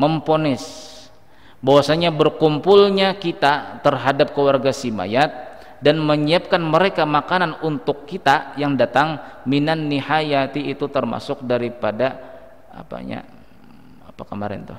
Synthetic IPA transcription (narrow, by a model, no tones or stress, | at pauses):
məmponɪs | bawasaɲabərkumpʊlɲakit̪at̪ərɦadap̚kəwarɡasima̰jat̪̚ | danməɲiap̚kanməɾekamakananunt̪ʊkːit̪ajaŋdat̪aŋminanːihajat̪iːt̪ut̪ərma̰sʊk̚daɾipada | a̰pa̰ɲa̰ | apakəmaɾɪ̰nt̪ʊ̰h